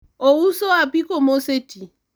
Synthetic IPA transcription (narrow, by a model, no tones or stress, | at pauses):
ɔusɔapikɔmɔseti